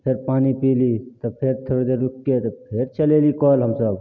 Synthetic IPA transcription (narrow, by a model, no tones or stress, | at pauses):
pʰeɾpaːnipilit̪ɔpʰeɾt̪ʰoɽed̪eɾukːet̪ɔpʰeɾt͡ʃəlelikɔlɦəmsəb